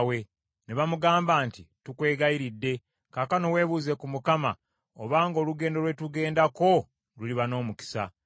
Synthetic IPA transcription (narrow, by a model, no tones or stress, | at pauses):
we̞ | neβamuɡaːmbaːntitukwe̞ːɡaiɾidːe̞ | kaːkano̞we̞ːβuːze̞kumukama̰ | oβaːŋɡo̞ːluɡe̞ːndo̞lwe̞tuɡe̞ːndako̞ | luliβano̞ːmuki̥sa̰